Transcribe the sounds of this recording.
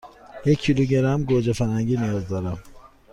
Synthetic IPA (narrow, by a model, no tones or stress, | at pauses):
jecʰːiluɟeɾæmɡod͡ʒefæɾhæŋɟiːnijɒːzd̪ɒːɾæm